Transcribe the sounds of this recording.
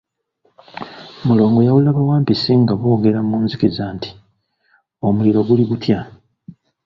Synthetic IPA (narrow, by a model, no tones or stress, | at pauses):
mulo̞ːŋɡo̞jawulaβawaːmpisiŋɡaβo̞ːɡe̞ɾamuːnzikizaːnti̥ | o̞muliɾo̞ɡuliɡutja